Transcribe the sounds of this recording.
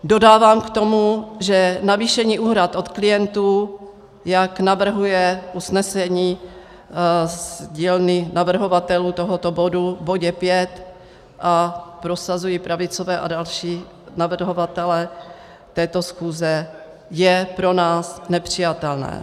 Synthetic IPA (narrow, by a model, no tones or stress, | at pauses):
do̞daːvaːmkt̪o̞muʒɛnaviːʃɛɲiːʔuɦɾat̪ʔo̞t̪klɪjɛnt̪uː | jaknavr̩ɦujɛʔusnɛsɛɲiː | zɟiːlnɪnavr̩ɦo̞vat̪ɛluːt̪oɦot̪obo̞duvboɟɛpjɛt̪ | ʔapɾo̞sazujiːpɾavɪt͡sovɛːʔadalʃiː | navr̩ɦovat̪ɛlɛ | t̪ɛːt̪osxuːzɛ | jɛpɾo̞naːsnɛpr̝̥ɪjat̪ɛlnɛ̰ː